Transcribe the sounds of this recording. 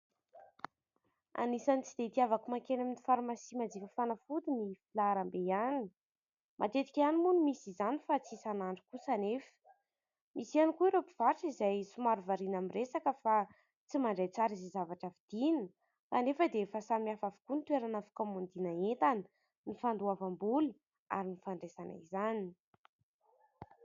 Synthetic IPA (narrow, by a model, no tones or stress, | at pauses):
a̰nisanit͡sid̪̥et̪iavakumaŋkenamnifaɾumasimad͡zikəfanafud̪inifilaɾambejani̥ | mʔa̰t̪et̪i̥kʲanimunimisizanifat͡sisanaɳɖ͡ʐikusanefə̥ | mʔisianikuiɾepiv̥aɾʈ͡ʂizajsumaɾuvaɾinamiresakəfa | t͡simaɳɖ͡ʐejt͡saɾizizavaʈ͡ʂəvid̪̥inə | sanefəd̪efasamiafavukunit̪weɾanafu̥kamund̪inaent̪anə̥ | nifand̪uavambulu | a̰ɾinifaɳɖ͡ʐesana̰izani̥